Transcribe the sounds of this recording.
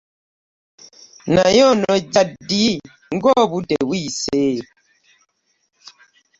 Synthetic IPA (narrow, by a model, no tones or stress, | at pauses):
najɔnɔd͡ʒadi | ŋ̩ɡɔbudɛwiseː